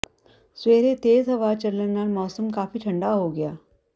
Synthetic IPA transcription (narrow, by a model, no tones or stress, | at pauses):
sʋeɾet̪ed͡zɦəʋat͡ɕəlːənaɾmɔsəmkafiːʈʰəɳɖaɦoɡja